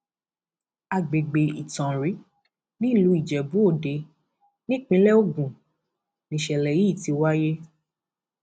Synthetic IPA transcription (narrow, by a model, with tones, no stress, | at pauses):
a˧ɡ͡be˨ɡ͡be˧i˨tɔ̃˨ɾi˨˦ | nĩ˦˨lu˨˦i˦˨d͡ʒɛ˨bu˨˦o˦˨de˧ | nĩ˦˨k͡pĩ˧˦lɛ˦o˦ɡũ˨ | nĩ˨ʃɛ˨lɛ˨ji˨˦˨ti˧wa˦je˦